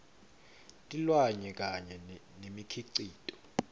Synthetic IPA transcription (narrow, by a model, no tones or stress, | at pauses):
tʼilwaɲɛk̬ʼaɲɛnemikʰiǀiːtʼɔ̥